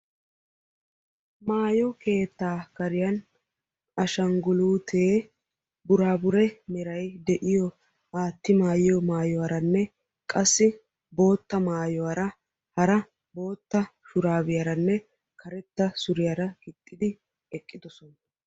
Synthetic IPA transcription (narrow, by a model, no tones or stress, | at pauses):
maːjɔke̞ːt̪ːaːkɐɾɪjɐn | ɐʃɐŋɡʊluːt̪ʰeː | bʊɾaːbʊɾɛmɛɾɐjd̪ɛʔɪjɔ | aːt̪ːɪmaːjɪjɔmaːjɔwaɾɐnːɛ | kʼɐsːɪ | bo̞ːt̪ːɐmaːjɔwaɾɐ | hɐɾɐ | bo̞ːt̪ːɐʃʊɾaːbɪjɐɾɐnːɛ | kʰɐɾɛt̪ːɐsʊɾɪjaɾɐɡɪt̪ʼːɪd̪ɪ | ɛkʼːɪd̪ɔsɔn